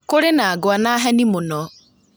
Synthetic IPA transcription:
koɾenaːɡoanaɦɛnimonɔ

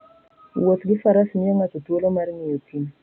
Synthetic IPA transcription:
wot̪ɡɪfaɾasnɪjɔŋat͡ʃotwolomarŋɪjotin

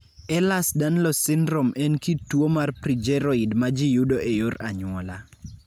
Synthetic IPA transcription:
ɛlasdanlɔsɪndɾomɛnkitwomarpɾid͡ʒɛɾɔidmad͡ʒijudoʔejoɾaɲʊɔla

